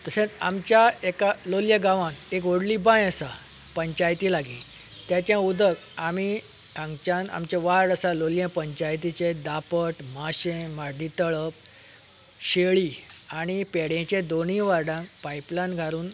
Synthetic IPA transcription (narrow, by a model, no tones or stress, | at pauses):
t̪əsẽt͡sa̰mt͡ɕjaekaloljəɡãʋãnek̬ʋoɽlibãjəsa | pəɲt͡ɕajt̪iːlaɡi | t̪jat͡ɕjãud̪ək | ami | ãŋɡt͡ɕãna̰mt͡ɕẽʋaɾɾəsaloljẽpəɲt͡ɕajt̪̬it͡ɕed̪apəʈmaɕẽmaɾd̪it̪əɭəp | ɕeɭiːaɽ̃ipeɽẽt͡ɕẽd̪onĩʋaɾɖãŋkpaiplanɡʱaɾuːn